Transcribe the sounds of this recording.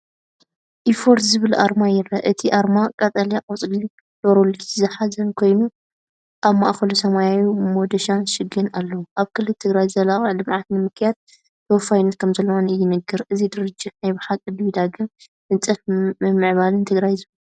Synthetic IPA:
ʔifo̞ɾt̪zɨβɨlʔa̰ɾmajɪɾɐʔɨt̪ʰiʔaɾmakʼɐt̪ʼɐlijakʼɐt͡sʼliu | l̥oɾolzɨħazɐnkʰo̞jnu | ʔaβma̰ʔxɐlusɐmajajumod̪ɐʃanʃɨɡɨnalːɐwuʔaβkʰɨlːɨt̪ʰɨɡɾajzɐlaχʼɐʕlɨmʕat̪nɨmɨkjad̪̚ | t̪ʰɐwfajnɐt̪̚kʰɐmzɐlːɐwonɨjːɪnɨɡɨɾʔɨzid̪ɨɾɨd͡ʒːɪt̪najbɨħakʼɨd̪βid̪aɡɨm | nɨt͡sʼɐfɨmɨʕβalɨnt̪ʰɨɡɾajzɨβɨl

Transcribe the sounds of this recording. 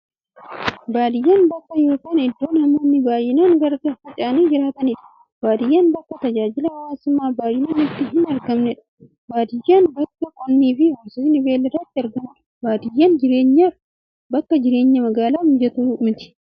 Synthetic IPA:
baːd̪ɪjːaːnbɐkːɐjo̞ːkaːnɪd̪ːo̞ːnɐmoːnːɪbaːjɪnaːnɡɐɾɡɐfɐt͡ʃʼaːniːd͡ʒɪɾaːt̪ɐnɪᶑɐ̥ | b̥aːd̪ɪjːaːnbɐkːɐt̪ɐd͡ʒaːd͡ʒɪlɐwɐwaːsʊmːaːbaːjɪnaːnɪt̪ːɪɦɪnɐɾɡɐmnɛᶑɐ̥ | baːd̪ɪjːaːnbɐkːɐkʼɔnːiːfɪhɐɾsʊsɪnɪbeːlːɪrːɐt̪ːɪɐɾɡɐmɐᶑɐ̥ | baːd̪ɪjːaːnd͡ʒɪɾeːɲːa | bɐkːɐd͡ʒɪɾe̞ːɲːɐmɐɡaːlaːhd͡ʒɛt̪uːmɪt̪ɪ̥

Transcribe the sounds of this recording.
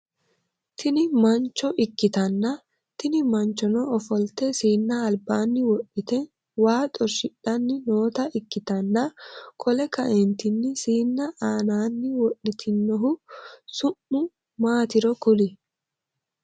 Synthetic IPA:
t̪ʰɪnɪmɐnt͡ʃːɔʔɪkːɪt̪ɐnːɐ | t̪ɪnɪmɐnt͡ʃːɔnɔɔfɔlt̪ɛsiːnːɐːlbaːnːɪwɔɗːɪt̪ɛ | waːt̪ʼɔʃɪɗɐnːɪno̞ːt̪ɐʔɪkːɪt̪ɐnːɐkʰɔlɛkɐʔɛnt̪ɪnːɪsiːnːɐʔaːnaːnːɪwɔɗɪt̪ʰɪnːɔɦʊsʊmːʊ | maːt̪ɪɾɔkʊlɪ

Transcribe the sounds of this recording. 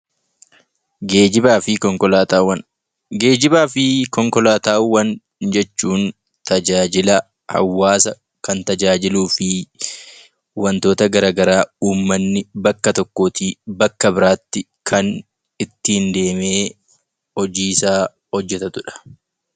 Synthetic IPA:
ɡeːd͡ʒɪbaːfɪkɔŋkɔlaːt̪ːwɐn | ɡe̞ːd͡ʒɪbaːfɪkɔŋkɔlaːt̪aːwːɐn | d͡ʒɛt͡ʃːuːn | t̪ɐd͡ʒaːd͡ʒɪlɐ | hɐ̰wːaːsɐ | kɐnt̪ɐd͡ʒaːd͡ʒɪluːfɪ | wɐnt̪o̞ːt̪ɐɡɐɾaːɡɐɾaːuːmːɐnːɪbɐkːɐt̪ɔkːoːt̪iːbɐkːɐbɪɾaːt̪ːɪ | kʰɐn | ɪt̪ːɪnd̪e̞ːme̞ː | hɔd͡ʒiːsaː | hɔd͡ʒːɛt̪ɐt̪ʊᶑɐ̥

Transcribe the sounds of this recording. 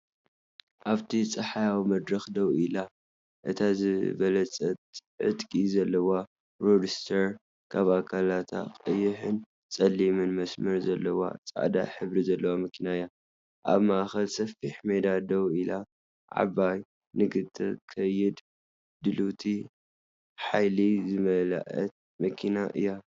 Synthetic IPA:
ʔaβt̪ʰit͡sʼɐħajawmɐd̪ɾɐxd̪ɐwila | ʔɨt̪ʰazɨβɐlɐt͡sʼɐt̪ʼʕɨ̰t̪ʼkʼizɐlːɐwa | ɾod͡ʒist̪ʰɐɾ | kʰaβakʰalat̪ʰa̰qʼɨjːɨħɨn | t͡sʼɐlːimɨnmɐsmɐɾzɐlːɐwa̰t͡sʼa̰ʕd̪a̰ħɨβɾizɐlːɐwamɐkʰinaɨjːa | ʔa̰βmaʔxɐlsɐfiħmed̪ad̪ɐwila | ʕa̰βaj | nɨɡɨt̪ʰːɨkʰɐjɪd̪ | d̪ɨlut̪ʰi | ħajlizɨmɐla̰ʔɐ̰t̪̚ | mɐkʰinaʔɨ̰jːa

